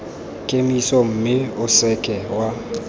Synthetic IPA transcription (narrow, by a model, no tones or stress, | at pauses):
kʼemisɔm̩mɪʊsɛkʼɛwa